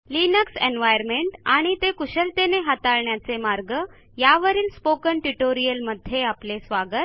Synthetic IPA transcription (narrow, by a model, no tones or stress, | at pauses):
linəksenʋajəɾmeɳʈaɽ̃it̪ekuɕəlt̪eneɦat̪aɭɳjat͡semaɾɡə | jaʋəɾiːlspokənʈuʈoɾijəlməd̪ʱːjeaplesʋaɡət̪̚